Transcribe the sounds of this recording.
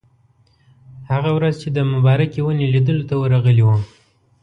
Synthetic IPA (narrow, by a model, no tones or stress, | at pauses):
haɣawɾazt͡ʃed̪əmabɑɾakewənelid̪əlot̪awəɾaɣəliwu